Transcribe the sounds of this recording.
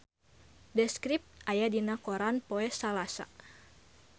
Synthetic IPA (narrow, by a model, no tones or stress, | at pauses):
dɛskɾip̚t̪ʔajadinakoɾanpoɛsalasa̰